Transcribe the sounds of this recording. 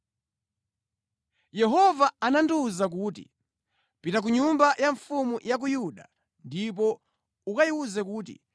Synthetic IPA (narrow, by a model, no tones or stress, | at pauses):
jɛɦɔvaananduzak̬uːtḭ | pitak̬uɲumbajaɱfumujak̬ujuɗa | ndip̬ɔ | ukajiuzɛkuːt̬ḭ